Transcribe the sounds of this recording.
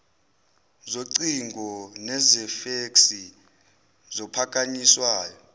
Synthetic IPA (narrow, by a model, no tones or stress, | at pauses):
zoǀiŋɡʱɔnɛzɛfeksi | zɔpʰakʼaɲiswaːjɔ